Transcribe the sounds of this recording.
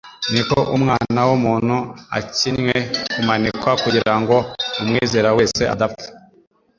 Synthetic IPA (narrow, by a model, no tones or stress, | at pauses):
nikoʔumŋaːnawumuːn̥hua̰cinwekumanikwakuɟiɾaŋɡo̞umŋiːze̞ːɾaweːse̞ʔa̰dapte̥